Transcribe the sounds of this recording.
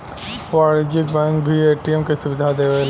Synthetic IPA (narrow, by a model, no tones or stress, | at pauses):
paːɽɪd͡ʒɪk̚bɛ̃ŋkbʱieːʈiɛmkesʊʋɪd̪ʱad̪eːʋel